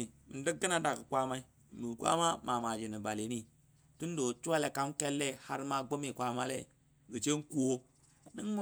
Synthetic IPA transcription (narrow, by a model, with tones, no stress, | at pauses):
mi˨di˦k̚ɡi˦na˦da˨kɨ˨kʷa˦ma˦i˦˨ | nu˨kʷa̰˦ma˦ma˨ma˨d͡ʒi˨ni˨ba˨le˨˦ni˦ | tu˦n˦do˨t͡ʃu˦wa˦le˨ka˦mke˦lːe˦ha˦ɾma˦ɡo˦mi˨kʷa˦ma˦lḛ˦˨ | ɡə˨t͡ʃe˦ŋ˦ku˦wo˦ | ni˦ŋm˦